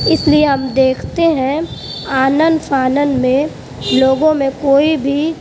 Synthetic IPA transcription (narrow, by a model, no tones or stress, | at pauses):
ɪslieɦɐmd̪eːkʰt̪eɦɛ̃aːnənd̪pʰaːnənmẽ | loːɡõmẽkoːibʱi